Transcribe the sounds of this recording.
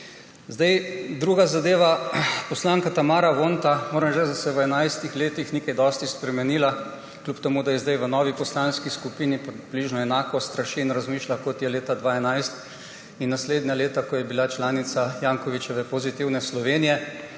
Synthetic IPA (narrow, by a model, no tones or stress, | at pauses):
zd̪ajd̪ɾuːɡazad̪eːʋapɔslaːŋkat̪amaːɾaʋont̪amoːɾɛmʒɛd̪asɛʋəɛnajst̪ixleːt̪ixnikajd̪ɔːst̪ispɾɛmɛniːla | klʲupt̪ɛmud̪ajɛzd̪ajʋənɔːʋipɔslanskiskupiːnipbliːʒnɔɛnaːkɔst̪ɾaʃiːnɾazmiːʃlakɔt̪jɛleːt̪ad̪ʋaɛnajst̪ | inːasleːd̪naleːt̪akɔjɛbilat͡ʃlaːnit̪sajaːŋkɔʋit͡ʃɛʋɛpɔzit̪iwnɛslɔʋeːnijɛ